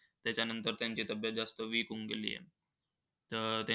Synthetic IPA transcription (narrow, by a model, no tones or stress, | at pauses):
t̪jat͡ɕanənt̪əɾt̪jaɲt͡ɕiːt̪əbjad͡zast̪əʋiːkuŋɡelḭːjḛ | t̪ət̪ja